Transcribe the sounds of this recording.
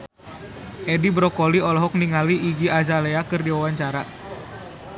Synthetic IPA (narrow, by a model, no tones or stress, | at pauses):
ʔɛdibɾɔkɔliɔlɔɦɔk̚niŋaliʔːɡiazaleakɨrdiwawaɲt͡ʃaɾa